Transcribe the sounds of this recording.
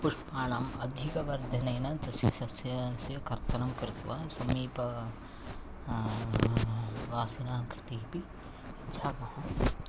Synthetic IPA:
pʊʂʈpaːnaːmɐd̪ʱikɐʋɐɾd̪ʱɐnɐnɐt̪ɐsjisɐsjɐsjɐkɐɾt̪ɐnɐmkɐɾt̪uʋasɐmiːpɐ | ʋaːsinaːkɾɪt̪iɦibi | itːʃʰaːkɐɦɐ̃

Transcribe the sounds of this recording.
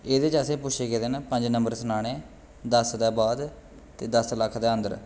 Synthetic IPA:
eːd̪eːt͡ʃəsẽːpʊʃʰeːkeːd̪eːnaːpə̃ɲd͡ʒnəmbəɾsənaːɽ̃ẽː | d̪əsd̪ɛːbaːd̪ | t̪eːd̪əsləkʰd̪aːənd̪əɾ

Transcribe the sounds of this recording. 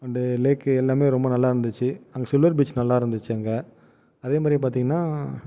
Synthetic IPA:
ɐnd̪ɐleːkːɛlːaːmeːɾɔmbɐnɐlːaːɪɾɯnd̪ɯt͡ʃːɯɐŋɡɐsɪlʋɐɾbiːt͡ʃnɐlːaːɪɾɯnd̪ɯt͡ʃːɯɐŋɡɐ | ɐðeːmaːd̪ɾipaːɾt̪iːŋɡɐnːaː

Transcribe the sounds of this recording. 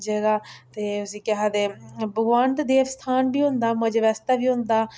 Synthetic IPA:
d͡ʒeːɡaːt̪eːʊsiːkɪɦaːd̪eːbəɡʋand̪d̪eːʋst̪ʰaːnbiːɦʊ̃nd̪aːməd͡ʒʋɛst̪aːbiːɦʊ̃nd̪aː

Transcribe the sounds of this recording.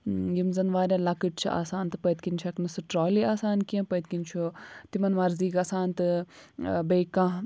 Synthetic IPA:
jimzɐnʋaːɾʲɐ̃lɐkɨʈ̚t͡ʃʰḭʔa̰ːsaːnt̪ɨpɐjt̪kint͡ʃʰɐknɨsɨʈɾoːliaːsaːnkiɐ̃pɐjt̪̚kint͡ʃʰut̪imɐnʋɐɾziːkaːsaːnt̪ɨ | beːkãː

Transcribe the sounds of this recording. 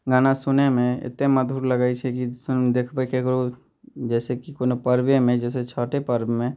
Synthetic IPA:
ɡaːnasʊnemẽɪ̰t̪eməd̪ʱuːɾləɡaːit͡ʃʰɛkisʊnd̪ekʰbəkekɾo | d͡ʒɛːsekikonopəɾbemẽd͡ʒɛːs̬et͡ʃʰaːʈepəɾbmẽ

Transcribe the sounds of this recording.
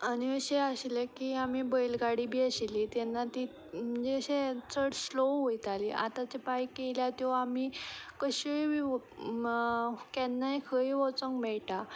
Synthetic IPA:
aniəɕeəɕlekiːamibəjlɡaɽibiːəɕilit̪jɛnːat̪i | m̤əɳd͡zeəɕet͡səɽslowɦojt̪aliʔa̰t̪at͡ɕepajkeljat̪jɔamikəɕiʋi | kɛnːajkʰəiʋɔt͡səŋɡmeɭʈa

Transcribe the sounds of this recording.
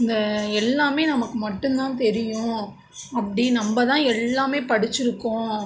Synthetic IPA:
ɪnd̪ɐɛlːaːmeːnɐmɐkːɯmɐʈːɯ̃nt̪ãːt̪ɛɾɪjʊ̃ | ɐpːɐɽinɐmbɐt̪ãːɛlːaːmeːpɐɽɪt͡ʃːɪɾɯkːʊ̃

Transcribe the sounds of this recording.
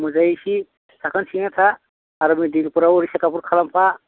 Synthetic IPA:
mɔzajisi | sʰakʰɔnsinat̪ʰaː | ɾɔmidilpuɾawɔɾisakapuɾkʰalampʰa

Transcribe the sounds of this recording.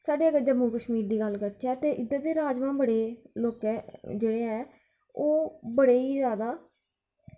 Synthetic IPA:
saːɖeːəɡd͡ʒəmːuːkəʃmiːɾd̪iːɡəlkəɾtʰaːt̪eːʔɪd̪əd̪eːɾaːd͡ʒmãːbəɽeːloːkɛːd͡ʒeːɽeːɛː | oːbəɽeːiːzjaːd̪aː

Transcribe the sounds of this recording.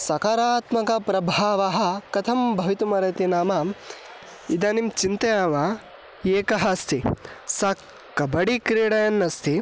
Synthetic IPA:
sɐkaːɾaːt̪mɐkɐpɾɐbʱaːʋɐɦɐ̆kɐt̪ʰɐmbʱɐʋit̪umɐɾɐt̪inaːmam | id̪aːnimt͡ʃint̪ɐjaːʋɐ | eːkɐɦɐst̪ʰisɐ | kːɐbɐɽikɾiːɽɐjɐnːɐst̪ʰi

